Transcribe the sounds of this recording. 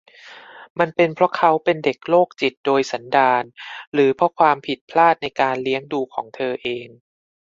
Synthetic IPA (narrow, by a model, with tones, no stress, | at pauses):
ma˧npe˧npʰɾɔ˦˥kʰa˦˥wpe˧nde˨˩k̚loː˥˩k̚t͡ɕi˨˩t̪̚doː˧jsa˩˦ndaː˧nɾɯː˩˦pʰɾɔ˦˥kʰwaː˧mpʰi˨˩t̪̚pʰlaː˥˩t̪̚na˧jkaː˧nli˦˥əŋduː˧kʰɔː˩˦ŋt̪ʰɤː˧ʔeː˧ŋ